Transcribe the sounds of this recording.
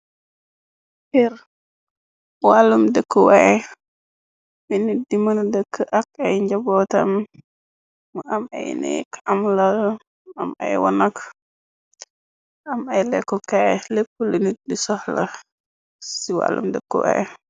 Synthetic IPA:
pɛɾ | walːumdəkːəwaj | binidimɐndəkːəʔakajɲd͡ʒabɔtɐ̰m | ama̰jnɛ̰kamlal | ama̰jwɔ̰nak | amajlɛkːɔkajlepːulənit̚disɔhla̰ | siwa̰lːṵmdəkːə̰wa̰j

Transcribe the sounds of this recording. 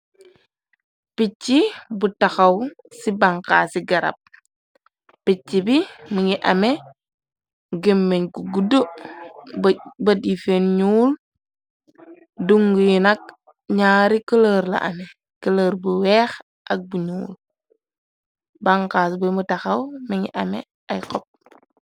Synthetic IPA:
pit͡ʃːibutaxɐw | sibaŋka̰ːsiɡɐɾɐ̰p̚ | it͡ʃːibimuŋiʔɐme | ɡemːeɲɡuɡudo | bɐdifenɲuːl | duŋɡujinɐk̚ | ɲaːɾikələːɾla̰ʔɐ̰me | kələːɾbuwɛːx | ʔɐk̚buɲuːl | baŋkaːsbumutɐxɐwmiŋḭʔɐmḛ | ajkɔp̚

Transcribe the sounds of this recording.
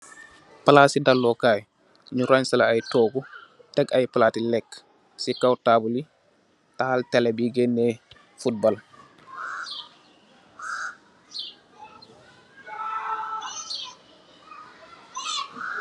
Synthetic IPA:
palasidalːɔkaj | ɲuɾansalaajtɔːɡu | tɛɡajpalatilɛkː | sikawtabuli | tahaltɛlɛbiɡɛnːɛ | fut̚bɔl

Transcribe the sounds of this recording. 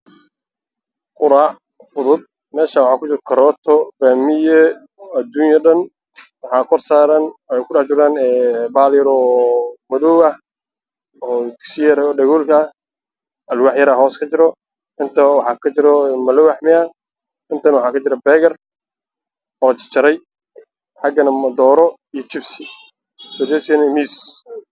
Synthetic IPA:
qʊɾaːʕ | fʊðʊd̪̚ | mɛːʃawʊħɑːkʰʊt͡ʃɪɾkʰɐɾɔːt̪ʰɔbaːmɪjɛ | ɐd̪uːnjɐɖɐn | wɑħɑːkʰɔrsaːɾɐnwɛjkʰʊɽɑħt͡ʃʊɾaːnɛːbaːljɐɾɔːmɐðɔwɐh | ɔːd̪ɪksɪjɐɾɔːɖɐɣɔːlkʰɐ | ʔɐlwɑħjɐɾɐɦɔːskʰɐt͡ʃɪɾɔ | ɪnt̪ʰɐwɑħɑːkʰɐt͡ʃɪɾɔmɐlɔwaħmɪɐ | ɪnt̪ʰɐnwɑħɑːkʰɐt͡ʃɪɾɐbɛːɣɐr | ɔːt͡ʃɪ̥t͡ʃɐɾɛj | ħɑɡɐnɐmɐd̪ɔːɾɔ | ijɔt͡ʃɪbsɪ | sɔd̪ɔːt̪ʰɛnɛmiːs

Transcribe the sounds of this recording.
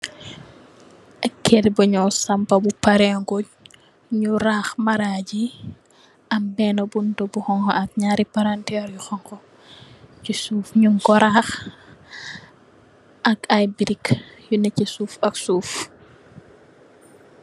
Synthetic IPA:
ɐkʰːɛdibɐɲɔsɐmpɐbupaɾɛŋɡɔɟ | ɲuɾaːxmaɾaːɟi | ɐmbɛnɔbundɔbuxɔŋkɔ̰ɐk̚ɲaːɾipaɾantɛːɾjuxɔŋkɔ | cisuːfɲuŋɡɔɾax | ʔɐkajbiɾikjunɛcisuːfɐksuːf

